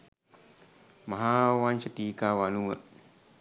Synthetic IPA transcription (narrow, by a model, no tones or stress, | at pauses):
maɦawant͡ʃət̪ikawanuəʔ